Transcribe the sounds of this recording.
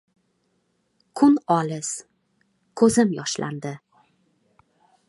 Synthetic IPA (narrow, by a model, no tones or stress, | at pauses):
kʰʊnɒlɪz̥ | kʰɵzɪmjɒʃlʔa̰nd̪ɪ